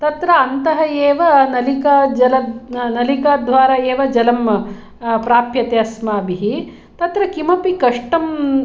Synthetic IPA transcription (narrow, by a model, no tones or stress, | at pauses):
t̪ɐt̪ɾɐɐnt̪ɐɦɐeːʋɐnɐlikɐd͡ʒɐlɐnɐlikaːd̪ʱʋaːɾɐeːʋɐd͡ʒɐlɐm | pɾaːpjɐt̪eɐsmaːbiɦi | t̪ɐt̪ɾɐkimɐpikɐʂʈɐm